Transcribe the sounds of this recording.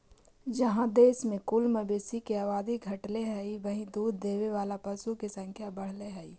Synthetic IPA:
d͡ʒɐɦãd̪eːsmẽkʊlməbeːsikeaːʋaːd̪iɡʱɐʈleɦɛiʋɐɦĩd̪uːd̪ːeːʋeʋaːlapɐsukesɐ̃ŋkʰjabɐɽ̤leɦɛi

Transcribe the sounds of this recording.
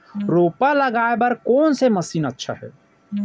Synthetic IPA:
ɾoːpaləɡaebəɾkoːnseməsiːnətːʃʰa̰ɦɛ̰

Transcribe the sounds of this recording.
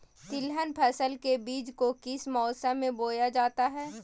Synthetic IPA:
t̪ɪlɦənpʰɛːsəlkebiːd͡ʒkokɪsmɔːsamẽboːjad͡ʒaːt̪aɦɛː

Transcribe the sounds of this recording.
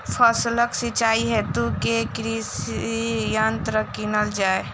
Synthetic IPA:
pʰəsləksit͡ʃaːiɦɛt̪ukekɾisijant̪ɾəkinəld͡ʒaːe

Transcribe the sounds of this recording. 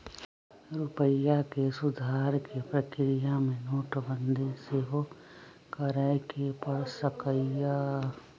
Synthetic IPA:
ɾʊpəjakesʊd̪ʱaːɾkepɾəkɾɪjamẽnoːʈʰbənd̪ʱiseɦo | kəɾəɪkepəɽsəkəja

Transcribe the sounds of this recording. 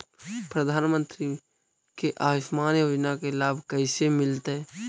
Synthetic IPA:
pɾəd̪ʱaːnmə̃nt̪ɾi | keʔaːɪʃmaːnjoːd͡ʒnakelaːbʱkəɪsemɪlt̪ɦɛː

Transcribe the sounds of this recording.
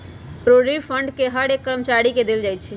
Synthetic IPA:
pɾoɾipʰəɳɖkeɦəɾekːəɾəmət͡ʃaɾiked̪eld͡ʒajt̪t͡ʃʰi

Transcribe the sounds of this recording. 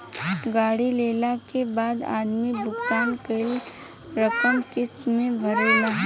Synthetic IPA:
ɡaːɽileːlakebaːd̪a̰ːd̪mibʱʊkt̪aːnkeɪl | ɾɐkəmkɪsmẽbʱɐɾelaː

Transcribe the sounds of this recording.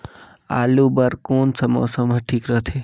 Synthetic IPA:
a̰ːlubəɾkoːnsəmɔ̰ːsəməʈʰiːkɾəɦt̪ʰe

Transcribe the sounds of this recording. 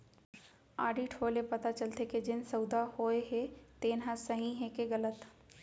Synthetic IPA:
a̰ːɖiʈʰoːlepɐt̪at͡ʃɐlt̪eked͡ʒɪnsɐʊd̪ahoːeɦet̪eːnɦãsɐɦĩɦẽːkeɣɐlət̪

